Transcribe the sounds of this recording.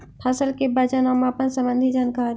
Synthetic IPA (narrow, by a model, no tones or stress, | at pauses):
pʰasəlkebɐd͡ʒanaːmaːpənsɐ̃mbə̃nd̪ʱid͡ʒaːnkaːɾ